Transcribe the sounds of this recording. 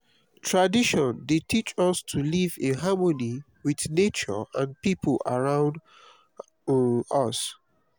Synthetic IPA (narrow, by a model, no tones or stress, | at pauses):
tʰɹadiʃɔ̃ndetʰit͡ʃɔstʰulivẽɦamoni | wiθnet͡ʃɔ̰ãnpipʰəla̰ɹãʊ̃nd | ɔs